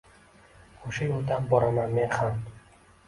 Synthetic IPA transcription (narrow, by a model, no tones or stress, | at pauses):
oʃajɒlˠd̪anbɒɾamanme̞nham